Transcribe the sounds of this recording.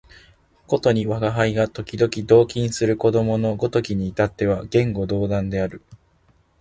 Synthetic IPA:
ko̞t̪o̞ɲ̟iβaɡaɦaiɡat̪o̞kʲid̪o̞kʲid̪o̞ːkʲĩɰ̃sɨɾɯ̟ko̞d̪o̞mo̞no̞ɡo̞t̪o̞kʲiɲ̟iːt̪at̪ːe̞β̞aɡẽ̞ŋɡo̞d̪o̞ːd̪ãnd̪e̞aɾɯ̟

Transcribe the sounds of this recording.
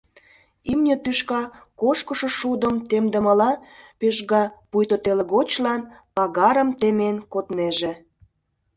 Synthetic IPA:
imnʲet̪yʃkɑkoʃkə̆ʃŏʃud̪ə̆mt̪emd̪ə̆məlɑpeʒɣɑpujt̪ot̪eleɣot͡ɕlɑnpɑɣɑɾə̆mt̪emenkot̪neʒĕ

